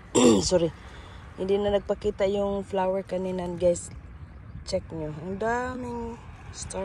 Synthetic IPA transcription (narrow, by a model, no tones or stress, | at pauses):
sɔɾi | ɪnd̪inanɐɡ̚pakiːt̪ajʊŋflawɛɹkɐninanɡajs | t͡ʃɛk̚ɲoŋd̪amɪŋst̪a